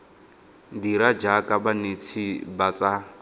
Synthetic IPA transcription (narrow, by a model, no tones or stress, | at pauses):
diɾad͡ʒakʼabanet͡sʰibat͡sa